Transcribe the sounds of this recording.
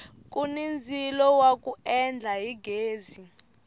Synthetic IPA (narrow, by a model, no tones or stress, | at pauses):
k̬ʼunind͡zʱilɔwak̬ʼuɛnd͡ɮʱaɦiɡeːzi